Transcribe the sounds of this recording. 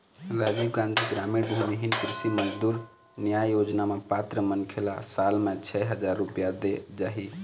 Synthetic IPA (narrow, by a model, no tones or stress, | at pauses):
ɾad͡ʒikãnd̪ʰʱiɡɾamiɾd̪ʱəniɦinkɾisiməd͡ʒd̪uɾ | nijajjod͡ʒnamepat̪ɾəmənkʰelasalmet͡ʃʰɛɦəd͡ʒaɾːupijad̪ed͡ʒaɦi